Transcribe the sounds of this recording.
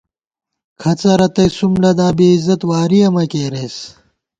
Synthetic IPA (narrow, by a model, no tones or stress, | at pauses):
kʰɐt͡sɐɾɐt̪ɐjsumɖɐd̪aːbeːizɐt̪waːɾiɐmɐkeːɾes